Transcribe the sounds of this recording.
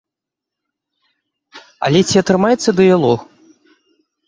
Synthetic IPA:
ɐ̰lʲɛt͡sʲiɐt̪ɾɨmajɛt̪sːɐd̪ɨjalˠɔx

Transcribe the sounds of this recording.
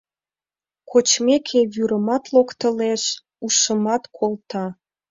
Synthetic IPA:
kʰot͡ɕmekʰejyɾəmɑt̪lokt̪ə̆leʃ | uʃəmɑt̪kʰolt̪ɑ

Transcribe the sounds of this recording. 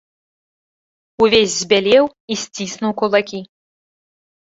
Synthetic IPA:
uvʲezʲzʲbʲalʲɛw | isʲt͡sʲisnuwkulˠakʲi

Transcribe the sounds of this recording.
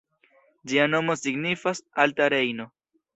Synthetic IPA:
d͡ʒiano̞mo̞siɡnifasaltaɾe̞jno̞

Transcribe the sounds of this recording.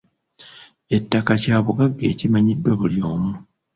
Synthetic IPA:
e̞tːakacaːβuɡaɡːe̞ːcimaɲidːwaβuljo̞ːmu

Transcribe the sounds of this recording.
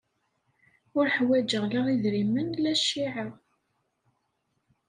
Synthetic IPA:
ʊɾħwæd͡ʒəʁlaʁiðɾimənlæʃːiʕa

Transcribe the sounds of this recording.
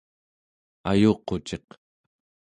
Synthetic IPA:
ajoːqot͡ʃe̞q

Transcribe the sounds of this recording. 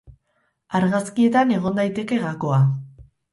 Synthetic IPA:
aɾɣaskie̞t̪ane̞ɣ̞o̞nd̪ajt̪e̞ke̞ɣako̞a

